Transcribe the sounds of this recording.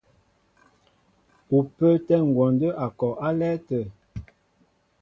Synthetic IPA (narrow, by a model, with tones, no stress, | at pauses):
u˨pə˦tɛ˦ŋ̩˨ɡwɔ˨ndə˦ʔa˨kɔ˨ʔa˦lɛ˦tə˨